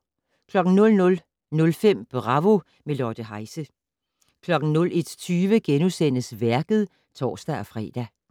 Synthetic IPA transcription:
kʰlɒ̽ɡ̥n̩nɔ̽lnɔ̽l | nɔ̽lfem̰b̥ʁɑ̈ʋo̝ | me̝lɒd̥əɦɑ̈ɪsə | kʰlɒ̽ɡ̥n̩nɔ̽le̝d̥t͡sʰyːʋəɡ̥enusen̰əsʋæɐɡ̥ð̞̩ˠ | t͡sʰɒ̰ːsd̥æɒfʁɛ̰ːd̥æ

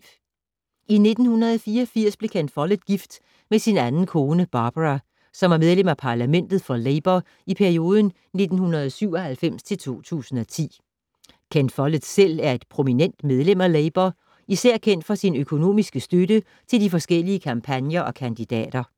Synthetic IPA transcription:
ʔine̝d̥n̩hunɐðˠɒfiːɐfiɐ̰sb̥le̝kʰænfɒ̽ləð̥ɡ̥ifd̥ | mesinænn̩kʰo̝ːnəb̥ɑ̈ːb̥ʁɑ | sɒ̽mæɐmeð̞ˠlem̰æpʰɑ̈læmen̰d̥ð̞̩ˠfɒ̽leɪb̥ɐ | ipʰæɐio̝ːð̞ˠən̩ | ne̝d̥n̩hunɐð̞ˠɒsyʊ̰ɒ̽hælfem̰st͡sʰe̝lt͡sʰo̝̰ːt͡sʰṵːsn̩ɒt͡sʰḭː | kʰenfɒ̽ləð̥sel̰æɐe̝d̥pʰʁo̝minen̰d̥með̞ˠlem̰æleɪb̥ɐ | isæɐ̰kʰen̰d̥fɒ̽sinøkʰo̝no̝̰ːmisɡ̥əsd̥øɾə | t͡sʰe̝ld̥ifɒ̽sɡ̥el̰iəkʰɑ̈mpʰænjɐʔɒ̽kʰænd̥id̥ɛ̰ːd̥ɐ

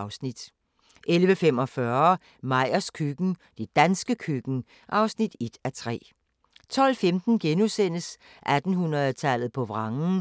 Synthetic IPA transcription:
ʊsnid̥ | ʔelʋəfem̰ɒ̽fɶɐ | mɑ̈ɪ̰ɐskʰyɡ̥n̩d̥e̝d̥ænsɡ̥əkʰyɡ̥n̩ | ʔɑ̈ʊsnid̥e̝d̥æt͡sʰʁɛ̰ː | t͡sʰɒ̽l̰femd̥n̩ɡ̥enusen̰əs | ʔæd̥n̩hunʁɐðˠt͡sʰælð̩ˠpʰɒ̽ʋʁɑ̈ŋn̩

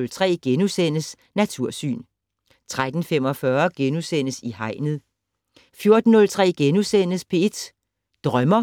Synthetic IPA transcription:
lt͡sʰʁɛ̰ːɡ̥enusen̰əs | næt͡sʰuɐ̰sy̰ːn | t͡sʰʁad̥n̩fem̰ɒ̽fɶɐɡ̥enusen̰əsihɑ̈ɪ̰nəð̩ˠ | fjo̝ɐd̥n̩ːɔ̽lt͡sʰʁɛ̰ːɡ̥enusen̰əspʰe̝ed̥ | d̥ʁɶmɐ

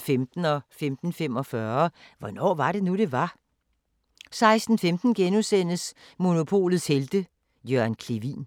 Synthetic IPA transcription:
femd̥n̩ɒ̽femd̥n̩femɒ̽fɶɐʋɒ̽nɒ̰ːʋɑ̈ɾe̝nuɾ̥e̝ʋɑ̈ | sɑ̈ɪsd̥n̩femd̥n̩ɡ̥enusen̰əs | mo̝no̝pʰo̝̰ːlð̩ˠsheld̥ə | jøɐnkʰleʋḭːn

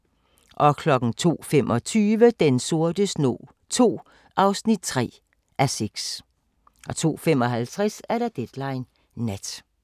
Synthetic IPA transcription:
ʔɒ̽kʰlɒ̽ɡ̥ŋ̩t͡sʰo̝̰ːfemʔɒ̽t͡sʰyːʋəd̥enso̝ɐd̥əsno̝̰ː | t͡sʰo̝̰ː | ʔɑ̈ʊsnid̥̚t͡sʰʁɛ̰ː | ʔæseɡ̥s | ʔɒ̽t͡sʰo̝̰ːfemɒ̽ɦælt͡sʰʁasæɐɾ̥ɑ̈d̥ed̥lɑ̈ɪnː | ed̥

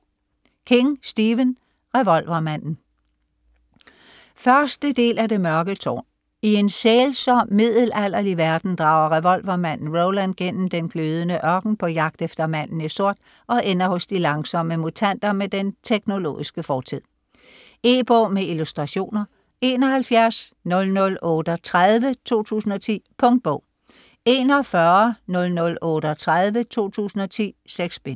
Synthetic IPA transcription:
kʰe̝ŋsd̥iːʋən | ʁeʋɒ̽l̰ʋɐmæn̰n̩ | fɶɐsd̥əd̥e̝̰ːlʔæde̝mɶɐɡ̥ət͡sʰɒ̰ː | ie̝nseːlsɒmið̰ˠl̩æl̰ɐliʋæɐd̥n̩d̥ʁɑ̈ːʊ̰ɐʁɛʋɒ̽lʋɐmæn̰n̩ʁoʊlænd̚ɡ̥en̰m̩d̥enɡ̥ʰløːð̞ˠənəʔɶɐɡ̥n̩pʰɒ̽jɑ̈ɡ̥̚d̥efd̥ɐmæn̰n̩iso̝ɐ̰d̥ | ɒ̽ʔenɐhɔ̽sd̥ilɑ̈ŋsɒ̽m̰əmut͡sʰæn̰d̥ɐmed̥ent͡sʰeɡ̥no̝lo̝̰ːisɡ̥əfɒːt͡sʰið̰ˠ | e̝ːb̥ɔ̰ːmeilusd̥ʁɑ̈ɕo̝̰ːnɐ | e̝ːnɒ̽ɦælfjæɐsnɔ̽lnɔ̽lɔ̽ːd̥ət͡sʰʁaðˠʋət͡sʰo̝̰ːt͡sʰṵːsn̩ɒ̽t͡sʰḭːpʰɔ̽ŋd̥̚b̥ɔ̰ʊ̰ | e̝ːnɒfɶɐnɔ̽lnɔ̽lɔ̽ːɾ̥əɒt͡sʰʁaðˠʋət͡sʰo̝̰ːt͡sʰṵːsn̩ɒ̽t͡sʰḭːseɡ̥sb̥en

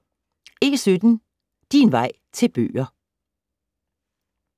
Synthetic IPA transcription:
e̝sød̥n̩ | d̥inʋɑ̈ɪ̰t͡sʰe̝lb̥ø̰ːɐ

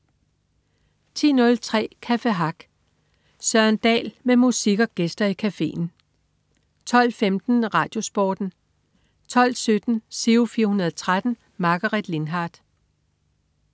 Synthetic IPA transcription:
t͡sʰḭːnɔ̽lt͡sʰʁɛ̰ːkʰæfeɦɑ̈ɡ̥ | sɶɐnd̥ɛ̰ːlmemusiɡ̥ɒɡ̥esd̥ɐikʰæfe̝̰ːn̩ | t͡sʰɒ̽l̰femd̥n̩ʁɑ̈ːd̥jo̝sb̥ɒ̰ːd̥n̩ | t͡sʰɒ̽l̰sød̥n̩seufiːɐhunɐðˠt͡sʰʁad̥n̩ | mɑ̈ɡ̥ɐʁid̥le̝nɦɑ̈ːd̥

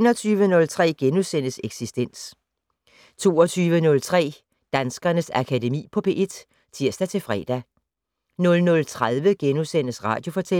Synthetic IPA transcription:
nɒt͡sʰyːʋənɔ̽lt͡sʰʁɛ̰ːɡ̥enusenəseɡ̥sisd̥en̰s | t͡sʰo̝̰ːɒt͡sʰyːʋənɔ̽lt͡sʰʁɛ̰ː | d̥ænsɡ̥ɐnəsækʰæde̝mḭːpʰɒ̽pʰe̝ːʔe̝d̥ | t͡sʰiɐ̰sd̥æt͡sʰe̝lfʁɛ̰ːd̥æ | nɔ̽lnɔ̽lt͡sʰʁaðˠʋəɡ̥enusen̰əsʁɑ̰̈ːd̥jo̝fɒ̽t͡sʰe

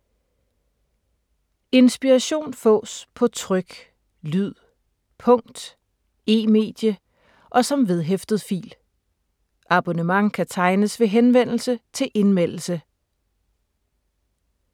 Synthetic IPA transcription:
e̝nsb̥iʁɑɕo̝̰ːnfɔ̰̽ːspʰɒ̽t͡sʰʁœɡ̥ | lyð̰ˠ | pʰɔ̽ŋ̰d̥ | e̝̰ːme̝̰ːd̥jə | ʔɒ̽sɒ̽mʋe̝ð̞ˠɦefd̥ð̞̩ˠfḭːl | ʔɑ̈b̥onəmɑ̈ŋkʰæt͡sʰɑ̈ɪnəsʋe̝ɦenʋen̰l̩sət͡sʰe̝lʔe̝nmen̰l̩sə

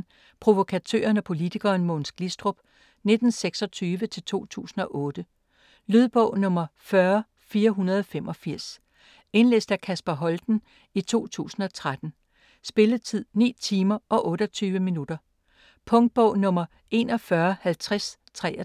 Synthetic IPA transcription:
pʰʁo̝ʋo̝kʰæt͡sʰø̰ːɐnɒpʰo̝lit͡sʰiɡ̥ɐːnmoːnsɡ̥lisd̥ʁob̥ | ne̝d̥n̩seɡ̥sɒ̽t͡sʰyːʋət͡sʰe̝lt͡sʰo̝̰ːt͡sʰṵːsn̩ɒ̽ʔɔ̽ːd̥ə | lyð̞ˠb̥ɔ̰̽ʊ̰nɔ̽mɐfɶɐ | fiːɐɦunɐðˠɒfem̰ʔɒ̽fiɐ̰s | e̝nlesd̥ækʰæsb̥ɐɦɒ̽ld̥n̩ | it͡sʰo̝̰ːt͡sʰṵːsn̩ɒ̽t͡sʰʁad̥n̩ | sb̥e̝ləðt͡sʰið̰ˠnḭːt͡sʰiːmɐɒ̽ʔɔ̽ːɾ̥ɒt͡sʰyːʋəminud̥ɐ | pʰɔ̽ŋd̥̚b̥ɔ̽ʊnɔ̽mɐ | e̝nɒ̽fɶɐhælt͡sʰʁas | t͡sʰʁɛ

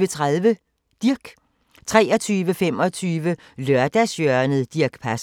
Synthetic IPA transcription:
ət͡sʰʁaðˠʋə | d̥iɐɡ̥ | t͡sʰʁɛ̰ːɒ̽t͡sʰyːʋəfem̰ɒ̽t͡sʰyːʋə | lɶɐd̥æsjœɐnəð̩ˠd̥iɐɡ̥pʰæs

